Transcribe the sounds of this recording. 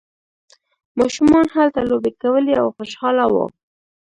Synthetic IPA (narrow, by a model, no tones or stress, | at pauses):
mɑʃumɑnhalt̪alobekawəlia̰wxʊʃhɑlawo̰